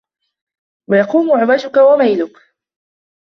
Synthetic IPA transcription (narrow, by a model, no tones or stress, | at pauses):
wajɑquːmʊʕʊbad͡ʒʊkawamajlʊk